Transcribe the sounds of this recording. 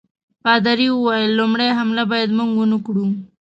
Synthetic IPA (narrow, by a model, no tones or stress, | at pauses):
pɑd̪aɾiwuwajəlːomɽajɦamlabɑjad̪muŋɡunukɽu